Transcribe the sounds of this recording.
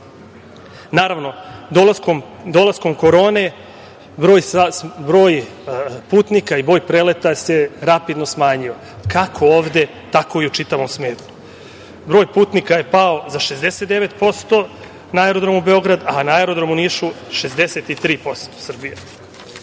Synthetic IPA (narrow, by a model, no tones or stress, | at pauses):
naːɾaʋno̞d̪olaskom | d̪olˠasko̞mko̞ɾo̞ːne̞ | bɾoːjsabɾo̞ːjpuːt̪nikaibɾo̞ːjpɾelet̪ase̞ɾapid̪no̞smaːɲio̞ | kakʰo̞oːʋd̪e̞ | t̪ako̞iut͡ʃit̪aʋo̞msmeːt̪nu | bɾo̞ːjpuːt̪nikaje̞pao̞zaʃe̞zd̪ese̞t̪d̪e̞ʋe̞t̪po̞st̪o̞ | naaeɾo̞d̪ɾo̞mube̞o̞ɡɾad̪anaeɾo̞d̪ɾo̞muniʃuʃe̞zd̪e̞se̞t̪it̪ɾiːpo̞st̪o̥sr̩bije